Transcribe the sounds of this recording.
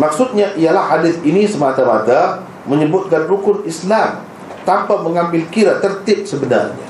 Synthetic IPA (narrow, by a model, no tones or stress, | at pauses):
mak̚sʊt̪̚ɲaʔijalahːadɪθinisəmat̪ama̰t̪a | məɲəbʊt̪̚kanrukʊnislam | t̪ampaməŋambɪlkiɾat̪ərt̪ɪp̚səbəna̰rɲa̰